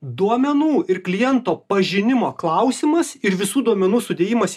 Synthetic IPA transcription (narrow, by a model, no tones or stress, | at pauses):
d̪uɔmʲɛnuːɪɾklʲɪjɛnt̪oːpɐʒʲɪnʲɪmoːklˠɐʊsʲɪmɐsɪɾʋʲɪsuːd̪uɔmʲɛnuːsʊd̪ʲeːjɪmɐs